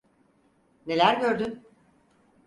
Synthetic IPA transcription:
ne̞lʲæɾɟø̞ɾd̪yn

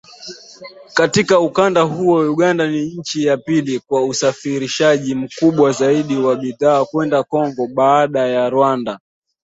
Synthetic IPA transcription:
katikaukandaɦuɔjuɠandaniɲ̩t͡ʃijapilikwausafiɾiʃaʄim̩kuɓwazaiɗiwaɓiðaːkwɛndakɔŋɡɔɓaːɗajaɾwanda

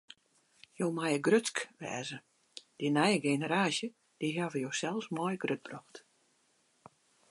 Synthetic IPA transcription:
joːmajəɡrøt͡skʋɛ̰ːzə | d̥inɛjəɡenəɾaːsjə | d̥iɦavəjosɛlˠsmɔjɡrøt̚b̥rɔxt

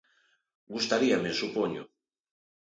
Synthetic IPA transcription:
ɡust̪aɾiamesupoɲo̰

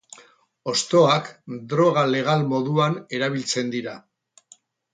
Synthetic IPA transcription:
o̞st̪o̞akd̪ɾo̞ɣ̞ale̞ɣ̞almo̞ðuane̞ɾaβ̞ilt͡se̞nd̪iɾa

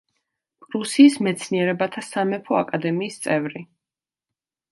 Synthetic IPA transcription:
pʼɾusiːsmɛt̪sʰniɛɾɛbat̪ʰasamɛpʰɔakʼad̪ɛmiːst̪sʼɛvɾi

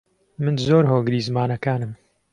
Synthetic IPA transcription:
mɨnzoːɾɦoːɡɨɾiːzɨmaːnɐkaːnɨm

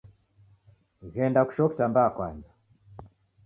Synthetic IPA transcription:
ɣɛndaku̥ʃɔki̥tambaːkwanza

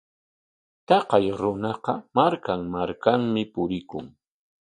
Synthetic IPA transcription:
t̪ɑqɑjɾʊnɑqɑmaɾkaŋmaɾkaŋmɪpʊɾɪkʊ̰ŋ

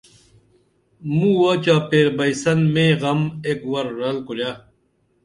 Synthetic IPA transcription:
mũːwaːt͡ɕaːpeːɾbɐisɐnmẽːɣɐmeːkwɐɾːɐlkuɾjaː

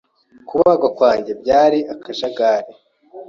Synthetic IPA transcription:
kuβaːɡakwaːɲɟe̞b̚ɟaːɾiakʰaʒaɡaːɾe

